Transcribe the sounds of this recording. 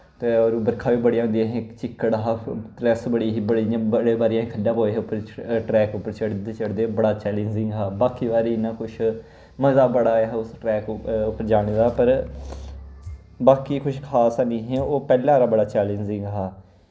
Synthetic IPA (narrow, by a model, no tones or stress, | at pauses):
t̪eːoːɾːbəɾkʰaːʋiːbəɽijãːɦʊ̃nd̪iãːɦẽːt͡ʃɪkːəɽɦaːtɾɛsbəɽiːɦiːbəɽiãːbəɽeːbaːɾijãɦːkʰənɖãːpoːeːɦeʊpːəɾʈɾɛːkʊpːəɾt͡ʃəɽd̪eːt͡ʃəɽd̪eːbəɽaːt͡ʃɛːlẽːɲd͡ʒɪŋɡaːbaːkiːʋaːɾiɪnãːkʊʃʰ | məzaːbəɽaːɛɦʊsʈɾɛːkʊpːəɾd͡ʒaːɽ̃eːd̪aːpəɾ | baːkiːkʰʊʃkʰaːsaniːɦɛ̃ːoːpɛːlãːɾaːbəɽaːt͡ʃɛːlẽːnd͡ʒɪ̃ŋɡɦaː